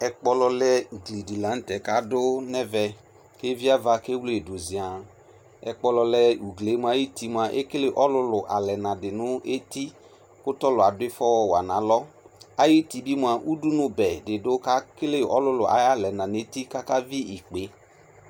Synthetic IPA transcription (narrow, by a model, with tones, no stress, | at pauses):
ɛ˨k͡pɔ˧lɔ˧lɛ˦u˨ɡle˨di˨lã˨˦n̩˦tɛ˨ka˦dʊ˦nɛ˦vɛ˧ | ke˦vi˦a˦va˧ke˦wle˨do˨zi˨a˨ | ɛ̰˧k͡pɔ˧lɔ˧lɛ˦u˨ɡle˨˦m˧˦a˨˦ji˦ti˦m˨a˨ʔḛ˦ke˦le˦ʔɔ˦lʊ˧lʊ˨ʔa˨lɛ˨nã˨dɪ˨nʊ˦e˦ti˦ | kʊ˦tɔ˦lʊ˨a˨dʊ˦ɪ˦fɔ˦wɔ˦wa˨nã˨˦lɔ˦ | a˦ji˦ti˦bi˦mʊ˧˨a˨ʔu˦du˦nʊ˨bɛ˨dɪ˨dʊ˦ka˦ke˦le˦ɔ̰˦lʊ˦lʊ˨ʔa̰˨˦ja˦lɛ˨nã˨ne˨˦ti˦ka˦ka˦vi˦i˨k͡pe˨˦